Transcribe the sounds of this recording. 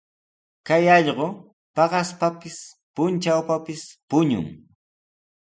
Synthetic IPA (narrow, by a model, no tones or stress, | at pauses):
kajɑʎɢo | pɑɢɑspapɪs | pʊnt͡ʃawpapɪspʊɲʊ̰ŋ